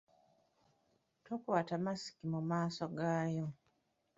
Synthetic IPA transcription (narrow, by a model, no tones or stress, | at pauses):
tokwatamasi̥kimumaːsoɡaːjo